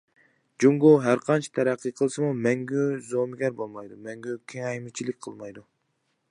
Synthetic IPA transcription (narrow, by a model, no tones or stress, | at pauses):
d͡ʒuŋɡuɦæɾqʰɑnt͡ʃʰɑ̥t̪ʰɛɾæqʰːɨqʰəlˠsɨmumɛŋɡʲyzomɪɡʲɛɾbolˠmɑjd̪umɛŋɡʲykʲʰeŋɛjmɪt͡ʃʰilɪk̚ʲqʰəlˠmɑjd̪u